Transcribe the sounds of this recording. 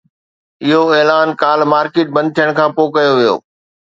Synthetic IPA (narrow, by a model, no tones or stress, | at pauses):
ɪɦoeːlaːnkaːlmaːɾkeːʈ̚bɐ̃nd̪̚t̪ʰjəɽ̃kʰãːpoːkɐjoʋijo̰ː